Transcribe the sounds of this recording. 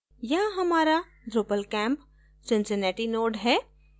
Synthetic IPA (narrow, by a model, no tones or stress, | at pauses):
jɐɦɦɐmaːɾa | ɖɾoːpəlkɛ̃ːmp | d͡ʒɪ̃nsenɛːʈinoːɖɦɛː